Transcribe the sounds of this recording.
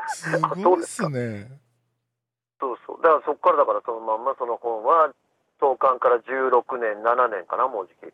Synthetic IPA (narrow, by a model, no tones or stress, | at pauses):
sɨaɡooːd̪eskane | so̞ːso̰ːd̪akaaso̞kːaɾad̪akaɾaso̞nomãmːaso̞no̞hõ̞ɰ̃βa | t̪o̞ːkãŋkaɾaʑɨːɾo̞kɯ̟nẽ̞nːananẽ̞ŋka̰namo̞ːʑikʲḭ